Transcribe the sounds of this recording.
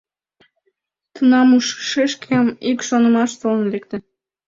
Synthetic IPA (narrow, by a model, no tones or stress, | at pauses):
t̪unɑmuʃʃeʃkʰemikʃonəmɑʃt̪olənlekt̪ĕ